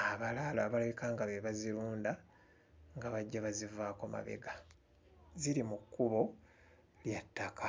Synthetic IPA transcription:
aβalaːloaβalajikaːŋɡaβeβaziɾuːnda | ŋɡaβaɟːaβazivaːkoma̰βe̞̰ɡa | ziɾimukːuβo̞ | ljatːakʰa

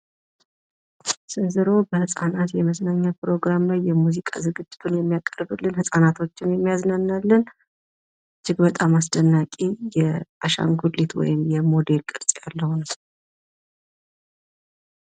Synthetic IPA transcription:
sɨnzɨɾo̞bəhɨsʼanat̪jɛməsnaɲːapɾo̞ɡɾamlajːɛmuzikʼa̰zɨɡɨd͡ʒːɪt̪ʰunjɛmːijakʼərbɨlːɨnhɨsʼanat̪ʰo̞t͡ʃːɪnjɛmːijaznənːalːɨn | t͡ʃːɪɡbət̪ʼamasd̪ənːakʼijɛaʃa̰ŋɡullːit̪wɔ̰jɪmjɛmo̞d̪e̞lkʼɨɾsʼijalːəhunɨs

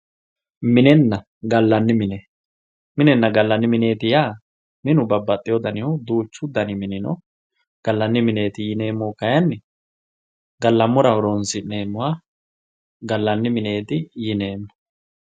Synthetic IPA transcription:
mɪnɛnːɐ | ɡɐlːɐnːɪmɪne | mɪnɛnːɐɡɐlːɐnːɪmɪne̞ːt̪ɪjaː | mɪnʊbɐbːɐt̪ʼːɪjɔd̪ɐnɪʊd̪uːt͡ʃːʊd̪ɐnɪmɪnɪnɔ | ɡ̥ɐlːɐnːɪmɪne̞ːt̪ɪjɪne̞ːmːoːkɐjɐnːɪ | ɡɐlːɐmʊɾɐɔɾonsɪne̞ːmːʊwa | ɡɐlːɐnːɪmɪne̞ːt̪ɪjɪne̞ːmːɔ̥

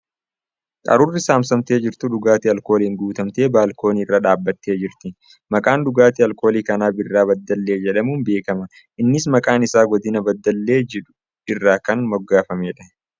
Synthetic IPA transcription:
kʼɐ̰ɾʊrːɪsaːmsɐmt̪e̞ːd͡ʒɪɾt̪ʊᶑʊɡaːt̪iɐlko̞ːliːŋɡuːt̪ɐmt̪e̞ːbaːlko̞ːniːɪrːaːᶑaːbːɐt̪ːe̞ːd͡ʒɪɾt̪ɪ | mɐkʼaːnd̪ʊɡaːt̪iɐlko̞ːliːkɐnaːbɪrːaːbɐd̪ːɐlːe̞ːd͡ʒɛᶑɐmuːnbe̞ːkɐmɐ | ʔɪnːɪsmɐkʼaːnɪsaːɡɔd̪ɪnɐbɐd̪ːɐlːe̞ːd͡ʒɛᶑʊ̥ | ɪrːaːkɐnmɔɡːaːfɐmeːᶑɐ̥

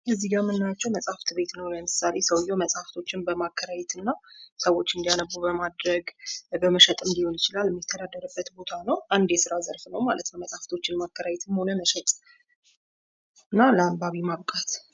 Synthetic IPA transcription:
ʔɨzːiɡamɨnːat͡ʃːɛwməsʼaft̪ʰbe̞t̪nəwləmɨsale̞səwjoməsʼhaft̪ʰo̞t͡ʃːɪnbəmakʰːəɾajɛt̪ʰɨnːasəwo̞t͡ʃːɨnd̪ijanəbubəmad̪ɾəɡbəməʃət̪ʼɨnd̪ihonjɪt͡ʃɪlalmjɛt̪ʰːəd̪ad̪ːəɾəbːət̪bo̞t̪ʰanəwʔand̪jɛsɨɾazəɾfnəwmalət̪nəməsʼhaft̪ʰo̞t͡ʃːɪnmakʰːəɾajɛt̪ʰmho̞nəməʃət̪ʼ | ɨnːaləambaβimaβkʼat̪

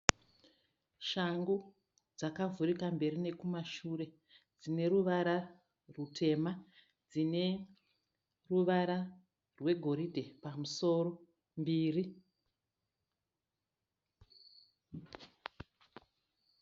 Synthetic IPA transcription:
ʃaŋɡu | d͡zakavuɾikambe̞ɾine̞kumaʃuɾe̞ | d͡zine̞ɾuʋaɾa | rutʰe̞ma | d͡zine̞ | ruʋaɾa | rwe̞ɡʱo̞ɾidʱe̞pamuso̞ɾo̞ | mbiːri

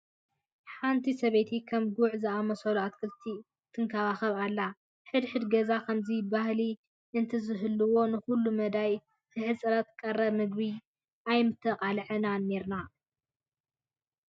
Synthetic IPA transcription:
ħant̪ʰisɐβet̪ʰikʰɐmɡuʕzɨamɐsɐluat̪̚kʰɨlt̪ʰi | t̪ʰɨŋkʰaβaxɐβalːa | ħɨd̪ħɨd̪ɡɐzakʰɐmzibahli | ʔɨnt̪ʰɨzɨɦɨlːɨwo̞nɨxulːumɐd̪aj | t̪ʰɨħɨsʼɐɾat̪̚kʼɐrːɐmɨɡbi | ʔajmɨt̪ʰːɐqʼalʕɨnane̞ɾna

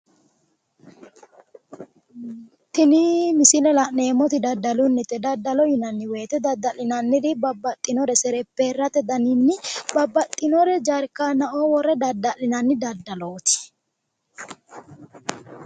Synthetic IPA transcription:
t̪ɪnimɪsɪlɛlɐʔneːmɔt̪ɪd̪ɐd̪ːɐlʊnːɪt̪ːɛd̪ɐd̪ːɐlɔhɪnɐnːɪwe̞ːt̪ɛd̪ɐd̪ːɐlɪnɐnːɪd̪ɪbɐbːɐt̪ʼːɪnɔɾɛsɛɾɛpːeːrːɐt̪ɛd̪ɐnɪnːɪbɐbːɐt̪ʼːɪnɔɾɛd͡ʒaɾkːanɐʔoːwɔrːɛd̪ɐd̪ɐlɪnɐnːɪd̪ɐd̪ːɐlo̞ːt̪ɪ̥

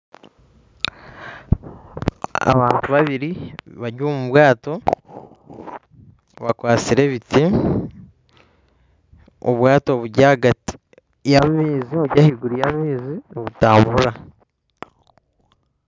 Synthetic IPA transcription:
a̰βaːntuβaβiɾiβaɟuomuβwaːto̞ | βakwaːt͡siɾe̞βiti | o̰βwaːto̞βuɟaɡati̥ | jamiːziβuɾɟahiɡuɾijamiːziniβutaːmbuɾa

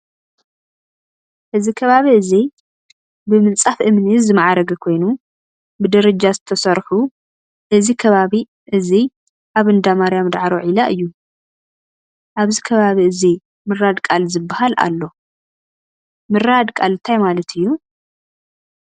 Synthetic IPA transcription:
ʔɨzikʰɐβaβiɨzi | bɨmɨnt͡sʼafʔɨmnizɨmaʕaɾɐɡɐkʰo̞jnu | bɨd̪ɐɾɐd͡ʒazɨt̪ʰɐsɐɾħu | ʔɨzikʰɐβaβi | ʔɨzi | ʔaβɨnd̪amaɾjamɨd̪ʕaɾoʕilaʔɨjːu | ʔaβzikʰɐβaβiʔɨzi | mɨrad̪kʼalzɨbːahalʔa̰lːo̞ | mɨɾad̪kʼalɨt̪ʰajmalɐt̪ʰɨjːu

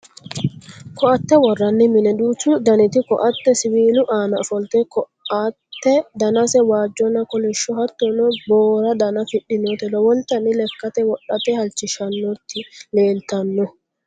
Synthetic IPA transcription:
kɔʔɐt̪ːɛwɔrːɐnːɪmɪnɛd̪uːt͡ʃːud̪ɐnɪt̪ɪkɔʔɐt̪ːɛsɪwiːlʊʔaːnɐfɔlt̪ɛkɔ | ɐt̪ːɛd̪ɐnɐsɛwaːd͡ʒːɔnɐkɔlɛʃːɔhɐt̪ːɔnɔboːɾɐd̪ɐnɐfɪɗːɪnɔt̪ɛlɔwɔnt̪ɐnɪlɛkːɐt̪ɛwɔɗːɐt̪ɛhɐlt͡ʃɪʃɐnːɔt̪ʰːɪleːlt̪ɐnːɔ

